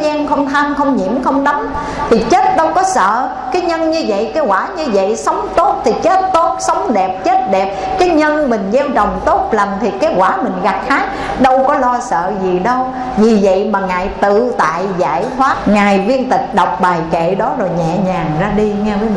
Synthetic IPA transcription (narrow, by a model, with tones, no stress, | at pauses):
zaː˧nxə˧wŋ͡mt̪ʰa˧mxə˧wŋ͡mɲḭ˧˩mxə˧wŋ͡mɗa˨˦ŋ͡m | t̪ʰi˨˩t͡ɕe˦˥t̚ɗə˧wkɔ˨˦sə̰ː˧˨ | kaː˨˦jɲə˧nɲɨ˧və̰˧˨jkaː˨˦kwaː˧˩ɲɨ˧və̰˧˨jsə˨˦wŋ͡mt̪o˦˥t̚t̪ʰi˨˩t͡ɕe˦˥t̚t̪o˦˥t̚sə˨˦wŋ͡mɗɛ˨˩p̚t͡ɕe˦˥t̚ɗɛ˨˩p̚kaː˨˦jɲə˧nmï˨˩ŋ̟zɛ˧wt͡ɕə˨˩wŋ͡mt̪o˦˥t̚la˨˩mt̪ʰi˨˩kaː˨˦˥t̚kwaː˧˩mï˨˩ŋ̟ɣa˨˩k̚haː˨˦˥k̚ | ɗə˧wkɔ˨˦lɔ˧sə̰ː˧˨zi˨˩ɗə˧w | vi˨˩və̰˧˨jmaː˨˩ŋa̰ː˨˩jt̪ɨ̰˧˨t̪a̰ː˧˨jza̰ː˧˩jt̪ʰwaː˦˥t̚ŋaː˨˩jvi˧ənt̪ï˨˩k̟̚ɗɔ˨˩wk͡p̚ɓaː˨˩jkḛ˧˨ɗɔ˨˦zo˨˩jɲɛ̰˧˨ɲaː˨˩ŋzaː˧ɗi˧ŋɛ˧və˨˦jmi˨˩